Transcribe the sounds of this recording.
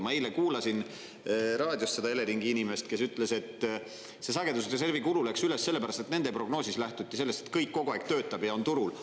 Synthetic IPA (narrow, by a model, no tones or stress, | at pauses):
mɑejlekuːlɑsin | ɾɑːd̪̥ʲjost̪se̞d̪ɑe̞le̞ɾiŋɡ̥iinime̞st̪ke̞syt̪ːˑle̞se̞t̪ː | se̞sɑɡ̥e̞d̪ust̪es̬e̞rvikululæksyle̞sse̞lːepæɾɑst̪et̪ne̞nd̪̥epro̞ɡno̞ːsislæht̪ut̪ːˑiselːest̪e̥t̪̚kɤjkːo̞ɡ̥uɑːɡ̥t̪ø̞ːt̪ːˑɑbjɑo̞nt̪uɾul